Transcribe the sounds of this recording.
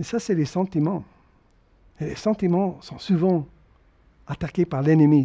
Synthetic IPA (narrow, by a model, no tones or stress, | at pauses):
esasɛlesɑ̃t̪imɑ̃ | elesɑ̃t̪imɑ̃sɔ̃suvɑ̃ | at̪akepaʁlɛnəmi